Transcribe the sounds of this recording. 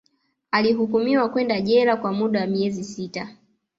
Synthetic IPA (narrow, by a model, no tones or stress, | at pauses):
aliɦukumiwakwɛndaʄɛɾakwamuɗawamiɛzisita